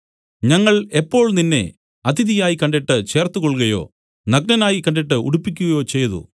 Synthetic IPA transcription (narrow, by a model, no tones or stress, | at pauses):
ɲɐŋːɐɭepːo̞ːɭninːe̞̰ | ɐd̪ʰʱiðijaːjikɐɳɖeʈːɨt͡ɕe̞ːrt̪ukoɭɣɐjo̞̰ː | nɐɡ̚nɐnaːjikɐɳɖeʈ̬ːɨṵɽupːikʲːuɣɐjo̞ːt͡ɕe̞jːɐðṵ